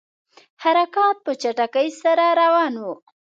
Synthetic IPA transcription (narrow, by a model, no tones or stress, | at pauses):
haɾakɑt̪̚pət͡ʃaʈakəjsaɾaɾawɑnwu